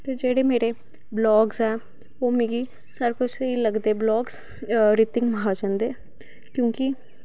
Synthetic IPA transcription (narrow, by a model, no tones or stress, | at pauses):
t̪eːd͡ʒeːɽemeːɾe | blɔːɡzɛː | oːmiɡi | səɾkʊt͡ʃʰeiləɡd̪eːblɔːɡs | ɾit̪ɪ̃ŋɡmɦad͡ʒãːnd̪eː | kjõːki